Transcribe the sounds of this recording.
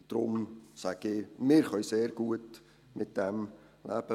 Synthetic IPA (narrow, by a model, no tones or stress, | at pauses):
d̥ɾʊmsæɡ̥ɪmɪɾχœjseːɾɡ̥uət | mɪt̚d̥ɛm | læːb̥ə